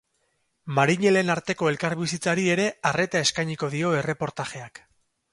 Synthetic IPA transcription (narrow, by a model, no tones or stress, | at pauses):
maɾiɲe̞le̞naɾt̪e̞ko̞e̞lkaɾβisit͡saɾie̞ɾe̞are̞t̪ae̞skajɲiko̞ðio̞e̞re̞po̞ɾt̪aʝe̞ak